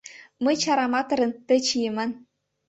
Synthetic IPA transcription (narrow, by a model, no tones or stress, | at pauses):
mɤ̆jt͡ɕɑɾɑmɑt̪ɤ̆ɾɤ̆nt̪ɘ̆t͡ɕijɘmʲæ̆n